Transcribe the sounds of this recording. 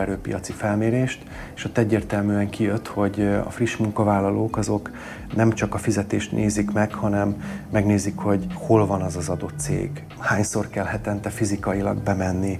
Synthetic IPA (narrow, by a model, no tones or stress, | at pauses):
ɛɾøːpijɒt̪sifɛlmeːɾeːʃt̪ | eːʃot̪ːɛɟːeːrt̪ɛlmyːɛŋkijøt̪ho̞ɟɒ̰friʃmuŋkɒvaːlːɒloːkɒzo̞k | nɛmt͡ʃɒkɒfizɛt̪eːʃt̪nʔeːzikmɛkhɒnɛmːɛɡneːzikho̞ɟho̞lvɒnɒzɒzɒd̪o̞t̪ːsḛːɡ | haːɲsorkɛlɦɛt̪ɛnt̪ɛfizikɒilɒ̰ɡ̚bɛmɛnːi